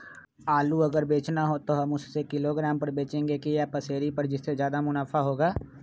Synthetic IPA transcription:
aːluɐɡəɾbeːt͡ʃnaɦot̪oɦɐmʊsːekɪloːɡɾaːmpɐɾbeːt͡ʃẽːŋɡekiapɐseːɾipɐɾd͡ʒɪsːezjaːd̪amʊnaːfʰaɦoːɡaː

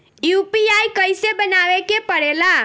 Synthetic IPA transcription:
jupiajkəjsebənaʋekepəɽela

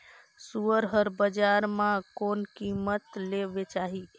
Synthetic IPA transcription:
suəɾɦəɾbəd͡ʒaɾmãkonkimət̪lebet͡ʃaɦi

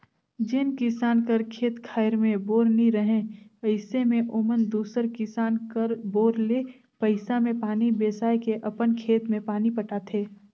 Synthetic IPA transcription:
d͡ʒɪnkɪsaːnkəɾkʰeːt̪kʰaːɪɾmẽboːɾnĩɾəɦẽəɪsemẽʔʊmənd̪uːsəɾkɪsaːnkəɾboːɾleː | pɐɪsamẽpaːnibeːsaːjkeʔɐpənkʰeːt̪mẽpaːnipɐʈaːt̪ʰeː

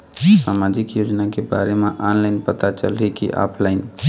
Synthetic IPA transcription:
saːmaːd͡ʒɪkjoːd͡ʒnakeba̰ːɾemẽʔaːnlaːɪnpət̪at͡ʃə̰lɦikḭʔa̰ːpʰlaɪn

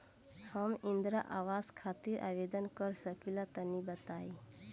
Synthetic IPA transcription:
həmind̪ɾaʔaʋazkʰat̪iɾʔa̰ʋed̪ənkəɾsəkilat̪ənibət̪ai

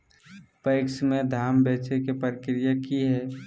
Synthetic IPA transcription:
pəɪksmẽd̪ʱaːmbeːt͡ʃekepəɾkɾijakiɦɛː

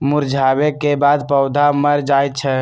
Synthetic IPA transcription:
muɾd͡ʒʱabekebad̪pəʊd̪ʱaməɾd͡ʒajt̪̚t͡ʃʰɛ

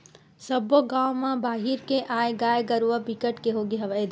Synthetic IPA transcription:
sɐboɡãːwmãbaːɦiɾkeʔaːeɡaːjɡɐɾʋapikəʈkeɦoːɡeɦɐʋəed̪

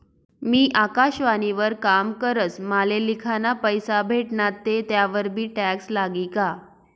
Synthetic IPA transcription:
miːʔakaɕʋaniʋəɾkamkəɾət͡smalelikʰanapəjsabʱeʈɳat̪ːet̪jaʋəɾbʱiːʈækslaɡika

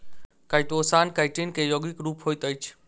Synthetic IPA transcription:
kaɪʈ̪oːsaːnkaɪʈinkẽjoɡikɾuːpɦoːit̪əjt͡ʃʰ

